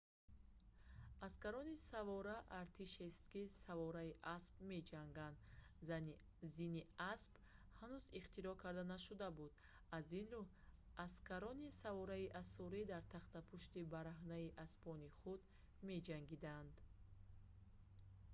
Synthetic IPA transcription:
askaɾɔnisavɔɾaʔaɾt̪ʰiʃest̪kisavɔɾaiʔaspme̞d͡ʒaŋɡand̪zn | ziniasp | hanuziχt̪iɾɔkʰaɾd̪anaʃud̪abud̪̥ | azinɾu | askaɾɔnisavɔɾaiʔasɔɾid̪aɾt̪ʰaχt̪apʰuʃt̪ibaɾaɦnaiʔaspɔniχud̪ | me̞d͡ʒaŋɡid̪and̪

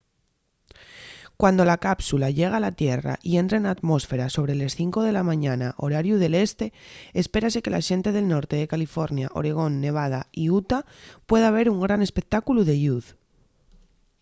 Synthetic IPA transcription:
kwand̪o̞lakapsulaʎe̞ɣ̞alat̪je̞ra̰ʔie̞nt̪ɾenat̪mo̞sfe̞ɾaso̞β̞ɾele̞sθiŋko̞ð̞e̞lamãɲanaʔo̞̰ɾaɾjuð̞e̞le̞st̪e̞espe̞ɾase̞ke̞la̰ʃe̞nt̪e̞ð̞e̞lno̞ɾt̪eðe̞kalifo̞ɾnjaʔo̞̰ɾe̞ɣ̞o̞nːe̞β̞að̞aiut̪a | pwe̞ð̞aβ̞e̞ɾuŋɡɾane̞spe̞k̚t̪akuluðe̞ʎuð

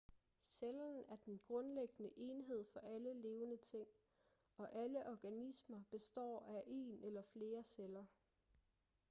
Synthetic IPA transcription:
selɐn̩æɐd̥enɡ̥ʁɔ̽nleɡ̥ənəʔe̝ːnɦe̝ð̞̰ˠfɒ̽ʔæləle̝ːʊnət͡sʰe̝ŋ̰ | ɒ̽ʔæləʔɒɡ̥ænismɐb̥e̝sd̥ɒ̰ːæʔe̝̰ːnʔelɐfle̝ːɐselɐ

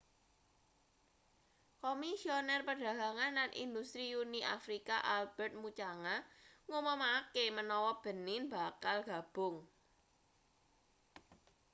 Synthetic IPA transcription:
komisionɛrpəɖ̥ä̤ɡä̤ŋanːanḭnd̪ust̪ɾiuniʔa̰fɾikaʔalb̥ɛrt̪̚mut͡ʃaŋaŋomɔmakemənɔwɔb̥ə̤nɪnb̥a̤kalɡ̥ä̤b̥ʊŋ

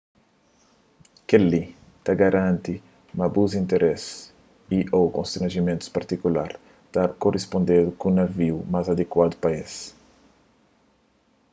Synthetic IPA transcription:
keli | t̪aɡaɾʔãnt̪i | mabuzĩnt̪eɾʔɛs | iʔokõst̪ɾɐ̃nʒimẽnt̪u̥paɾt̪ikulaɾ | t̪aɾkorʔespõnd̪ed̪ukũnaviwmazad̪ekwad̪upaes

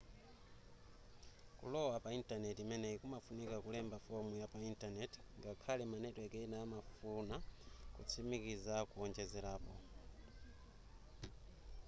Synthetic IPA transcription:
kulɔwapaintanɛtimɛnɛikumafunikakulɛmbafɔmujapaintanɛtŋɡakʰalɛmanɛtɔɛkɛinaːmafunakṵt͡sʰimikizakuɔnd͡ʒɛzɛɾaːpɔ̰

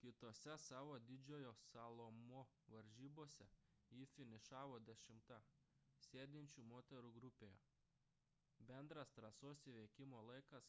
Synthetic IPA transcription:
kʲɪt̪oːsʲɛsɑːʋoːd̪ʲɪd͡ʒʲoːjoːsɑlˠomo | ʋɐɾʲʒʲiːboːsʲɛjiːfʲɪnʲɪʃɑːʋoːd̪ʲɛʃʲɪmt̪ɐsʲeːd̪ʲɪnʲt͡ʃʲuːmoːt̪ʲɛɾuːɡɾʊpʲejoː | bʲɛnd̪ɾɐst̪ɾɐsoːsʲiʋʲɛːkʲɪmoːlˠɐɪkɐs

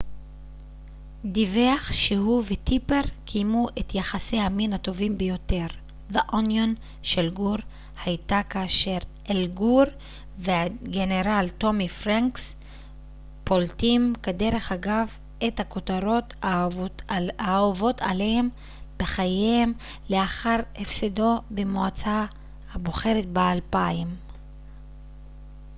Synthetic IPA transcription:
diveaχʃeɦuvetipe̞ʁkʰijmuʔetjaχasejhaminato̞vimbejo̞te̞ʁ | vaʔonjon | ʃelɡuʁ | hajtakaːʃe̞ʁʔelɡuɾ | veaɡeneʁalto̞mifʁaŋks | poltimkadeʁe̞χaɡav | ethako̞taɾo̞t | aovo̞tʰa̰lehem | b̥eχajehem | leaχaʁhefsedo̞bemoat͡sa | haboχe̞ɾetbealpaim

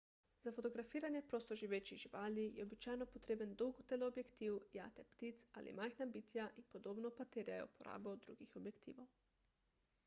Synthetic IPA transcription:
z̥afot̪ɔɡɾafiːɾanjɛpɾoːst̪ɔʒiʋeːt͡ʃiʒiʋaːlijɛɔbit͡ʃaːjnɔpɔt̪ɾeːbənd̪ɔwɡt̪elɛobjɛkt̪iwja̰ːt̪ɛpt̪it̪sa̰ːlʔḭmajxnabiːt̪jaʔinpɔd̪oːbnɔpat̪eːɾjajɛ̰upɔɾa̰ːbɔd̪ɾṵːɡixɔbjɛkt̪ḭːʋow

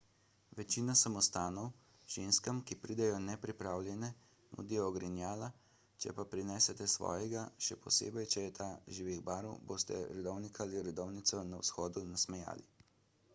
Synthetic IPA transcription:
ʋɛt͡ʃiːnasamɔst̪aːnɔw | ʒ̥eːnskamkipɾiːd̪ɛjɔnɛpɾipɾaːwlʲjɛnɛ | nṵd̪ijɔːɡɾɛnjaːla | t͡ʃɛ̰papɾinɛːsɛt̪ɛsʋɔ̰ːjɛɡaʃɛpɔsḛːbɛjt͡ʃɛjɛt̪ʰaːʒiːʋiɣbaːɾɔ̰wboːst̪ɛ̰ɾɛd̪ɔwnikaliɾɛd̪ɔwnit̪sɔnawsxɔːd̪unasmɛja̰ːli

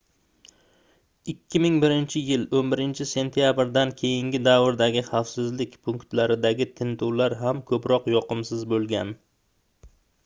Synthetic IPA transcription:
ɪkʲʰːɪmɪŋbɪɾɪnt͡ʃʰɪjɪlonbɪɾɪnt͡ʃʰɪse̞nt̪ʰijabɾd̪ankʲʰe̞jɪŋɡʲɪd̪avɾd̪aɡʲɪχafsɪzlɪkʲpʰʊŋkt̪laɾɪd̪aɡʲɪt̪ʰɪnt̪ʰuwlaɾɦamkʰɵpɾɒqjɒqɨmsɪzbolˠɡʲan

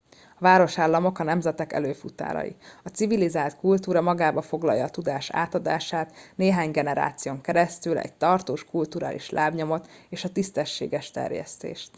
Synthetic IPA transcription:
ɒvaːɾo̞ʃaːlːɒmo̞kɒnɛmzɛt̪ɛkɛ̰løːfut̪a̰ːɾɒ̰jḭɒt̪sivilizaːlt̪kult̪uːɾɒmɒɡaːbɒfo̞ɡlɒ̰jːɒːt̪ud̪aːʃa̰ːt̪ɒd̪a̰ːʃaːt̪neːɦaːɲɡɛnɛɾa̰ːt̪sijoːŋkɛɾɛst̪ylɛ̰ɟ̚t̪ɒrt̪oːʃkult̪uɾa̰ːlʔḭʃlʔaːbɲo̞mo̞t̪eːʃɒt̪ist̪ɛʃːḛːɡɛʃt̪ɛ̰rjɛ̰st̪ḛːʃt̪

